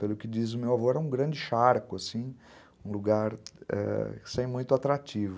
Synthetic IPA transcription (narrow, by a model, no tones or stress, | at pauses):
pelʊkɪd͡ʒizʊmewavoɾɾɛũɡɾɐ̃nd͡ʒɪʃaɾkʊasĩ | ũluɡaɾɛ̰sẽj̃mũj̃t̪ʊat̪ɾat͡ʃivʊ